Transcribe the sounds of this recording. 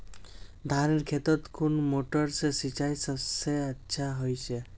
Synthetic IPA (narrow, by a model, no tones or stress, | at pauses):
d̪ʱaɾeɾkʰet̪ɔt̪kʰunmoʈɔɾsesit͡ʃajsəbseətːʃʰaɦojt͡ʃʰe